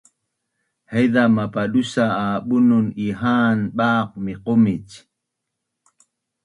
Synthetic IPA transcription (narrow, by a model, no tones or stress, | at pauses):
hejðamapaɗusaaːɓʊnʊniɦaːnɓaːq̚miqomit͡ʃ